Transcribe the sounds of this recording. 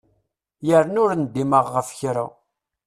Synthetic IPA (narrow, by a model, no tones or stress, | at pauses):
jəɾnʊɾnd̪ːiməʁːəfçɾa̰